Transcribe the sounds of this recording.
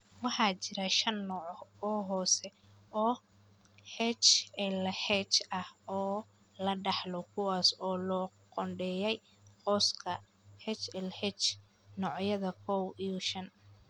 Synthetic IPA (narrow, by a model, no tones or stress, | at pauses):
wɑħɑːt͡ʃɪɾɐʃɐnːɔːʕɔɔːɦɔːsɛ | ɔː | hɛt͡ʃɛlhɛt͡ʃɐhɔː | lɐɖɑħlɔkʰʊwɑːsɔːlɔː | qɔɳɖɛːjɛj | qɔskʰɐ | hɛt͡ʃɛlhɛt͡ʃ | nɔːʕjɐðɐkʰɔwijɔʃɐn